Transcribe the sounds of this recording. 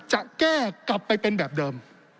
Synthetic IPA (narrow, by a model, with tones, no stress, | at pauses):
t͡ɕa˧˨˩ʔkɛː˧˩ka˨˩p̚ːə˧jt̪eː˧nɓɛː˨˩p̚ɗəː˧˩m